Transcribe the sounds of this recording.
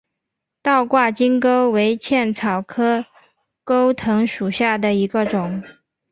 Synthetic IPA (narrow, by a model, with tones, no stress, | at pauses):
t̪ɑ˥˧ʊkwa˥˩t͡ɕi˥ŋko˥ʊwe˧˥ɪt͡ɕʰjɛ˥˩nt͡sʰɑ˨˩ʊkʰɤ˥ | ko˥ʊt̪ʰɤ˧˥ŋʂu˨˩ɕja˥˩d̪ə˩i˧˥ɡə˧ʈ͡ʂʊ˨˩˦ŋ